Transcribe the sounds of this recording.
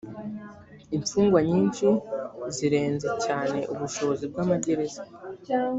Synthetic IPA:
iɱfuːŋɡwaɲiːnʃiziɾe̞ːnze̞caːne̞ʔuβuʃo̞βozibɡamaɟe̞ɾe̞za

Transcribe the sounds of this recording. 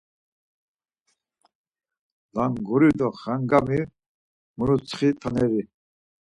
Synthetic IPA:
laŋɡuɾid̪ɔχaŋɡami | muɾut͡sʰχit̪ʰanɛɾi

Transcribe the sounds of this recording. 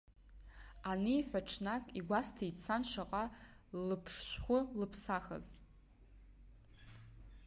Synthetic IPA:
aniːħʷᶣaʈ͡ʂʰnakʼiɡʷastʰait͡sʰanʂaqʼalɨpʰʂʃʷχʷʊlɨpʰsaχə̰z

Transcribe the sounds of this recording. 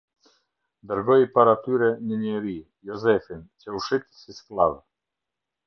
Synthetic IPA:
d̪əɾɡɔjpaɾat̪yɾɛnəɲɛɾi | jɔzɛfint͡ɕɛuʃit̪sisklav

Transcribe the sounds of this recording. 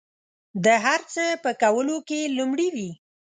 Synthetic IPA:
d̪əɦaɾt͡səpəkawəlokelumɽiwi

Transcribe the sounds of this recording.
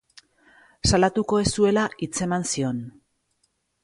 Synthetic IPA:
salat̪uko̞e̞sue̞laʔit͡se̞mansio̞n

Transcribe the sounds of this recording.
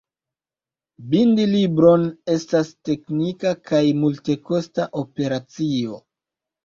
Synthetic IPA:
bindilibɾo̞ne̞staste̞knikakʰajmulte̞ko̞staʔo̞pe̞ɾat͡sio̞

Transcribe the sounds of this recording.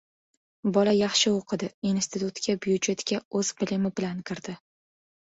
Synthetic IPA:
bɒlajɑχʃɪoqʰɨd̪ɪinst̪ʰɪt̪ʰut̪kʲʰabjʊd͡ʒe̞t̪kʲaɵz̥bɪlɪmɪbɪlankʰʲɪɾd̪ɪ

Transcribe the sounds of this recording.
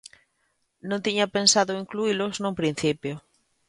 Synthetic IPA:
nõnt̪iɲapensaðʊiŋkluilʊznũŋpɾĩn̟θipjo

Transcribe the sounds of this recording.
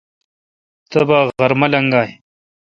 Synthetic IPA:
t̪ɐbaːɣɐɾmɐlɐŋɡaːɦi

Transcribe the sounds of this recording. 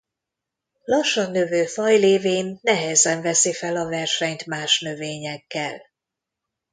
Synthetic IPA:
lɒʃːɒnːøvøːfɒjleːveːnːɛɦɛzɛɱvɛsifɛlɒvɛrʃɛɲt̪maːʃnø̞veːɲɛkːɛ̰l

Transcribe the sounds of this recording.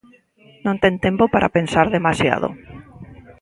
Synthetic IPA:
nõnt̪ɛnt̪empopaɾʔa̰pensaɾðemasja̰ðo̰

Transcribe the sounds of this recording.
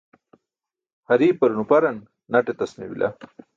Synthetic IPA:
hɐɾiːpɐɾunupɐɾɐn | nɐʈet̪ɐsmewḭlʔa̰

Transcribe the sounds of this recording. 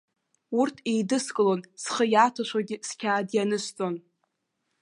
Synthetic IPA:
urtʰejdɨskʼɨlo̞nsχəjatʰaʃʷaɡʲiskʲʰaːdjanɨʃʷt͡sʼo̞n

